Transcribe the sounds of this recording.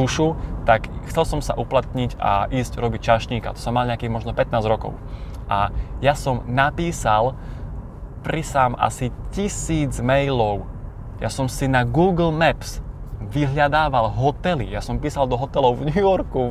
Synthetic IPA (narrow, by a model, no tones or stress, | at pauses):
uʃut̪akxt͡sɛlsɔmsaʔuplat̪ɲica̰ʔiːzcɾɔbic̚t͡ʃaʃɲiːka̰t̪ɔ̥sɔmːalɲɛakiːɣmɔʒnɔpɛt̪naːzɾɔkɔ̰ʊ | ʔajasɔmnapiːsal | pɾisaːmʔa̰sicisiːd͡zmɛjlɔʊ | jasɔmsinaɡuːɡl̩mɛps | ʋiɦʎad̪aːʋalɦɔt̪ɛlḭjasɔmpiːsald̪ɔɦɔt̪ɛlɔʊvɲujɔɾku